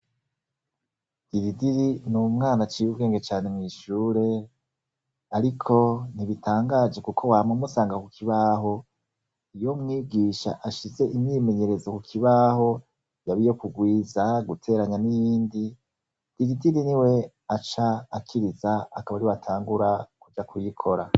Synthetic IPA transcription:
iɾidiɾinumŋaːnat͡ʃiubɡe̞ːŋɡe̞t͡ʃaːne̞mŋiʃuːɾe̞ | aɾikʰo̞niβitʰaːŋɡaːd͡ʒe̞kukʰo̞waːmumusaːŋɡakukiβaːɦo̞ | ijo̞mŋiːɡiːʃa̰ʔaʃize̞ʔimɲime̞ɲe̞ɾe̞zokukʰiβaho̞ | jaβijo̞kuɡwiːzaɡutʰe̞ːɾaɲanijiːndi | iɾidiɾiniwe̞ | at͡ʃaːkʰiɾizaːkaβaɾiwatʰaːŋɡuɾakuɟakʰujikʰo̞ɾa

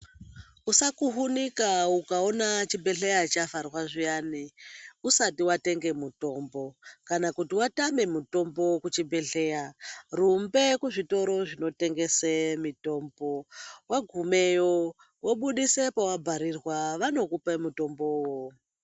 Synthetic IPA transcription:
usakuɦunikaukaonat͡ʃibʱe̞ɬe̞jat͡ʃafarwaʐijaniusatiwate̞ŋɡe̞muto̞mbo̞kanakutiwatame̞muto̞mbo̞kut͡ʃibʱe̞ɬe̞jarumbe̞kuʐito̞ɾo̞ʐino̞te̞ŋɡe̞semito̞ːmbo̞waɡʱumejo | woɓuɗise̞pawabʱaɾirwaʋano̞kupemuto̞mbowo

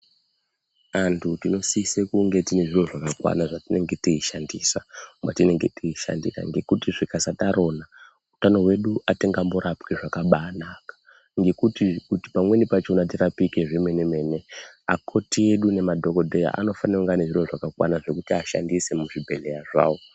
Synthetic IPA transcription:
antʰutino̞siːsekuŋɡe̞tine̞ʐiroʐakakwa̰naʐatine̞ŋɡe̞tiiʃandiːsama̰tine̞ŋɡe̞tiiʃa̰ndira̰ŋɡe̞kutiʐikasataɾo̞na | utano̞ɦwe̞ɗuʔate̞ŋɡamboɾapkiʐakaɓaːnaːkḁ | ŋɡe̞kutikuti̥pamwe̞nipat͡ʃonatirapike̞ʐimwe̞neme̞ne̞akʰo̞tie̞ɗune̞madʱo̞ko̞dʱeja̰ʔa̰no̞faneuŋɡaneʐiro̞ʐakakwa̰naʐe̞kutiaʃa̰ndise̞muʐibʱe̞ɮe̞jaʐa̰ːwo

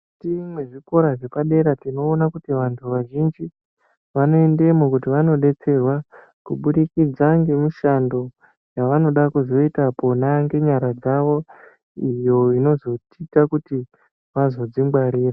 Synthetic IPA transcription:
timweʐiko̞ɾaʐe̞paɗe̞ɾatino̞ːnakutiʋantʰuʋaʒind͡ʒi | ʋano̞e̞nde̞mukutiʋano̞ɗe̞t͡se̞rwa | kuɓuɗikid͡zaŋɡe̞miʃando̞ | jaʋano̞ɗakuzo̞itapo̞naŋɡe̞ɲaɾad͡zaʋo̞ | ijo̞ino̞zo̞titakuti | ʋazo̞d͡zimɡwaɾiːra

